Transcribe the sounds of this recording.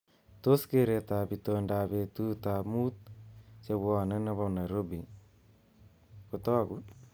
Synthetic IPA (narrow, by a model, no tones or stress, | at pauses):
t̪oskeɾet̪abit̪ondaβet̪ut̪amut̪̚t͡ʃeβwɔnenaβanajɾobi | kut̪ɔku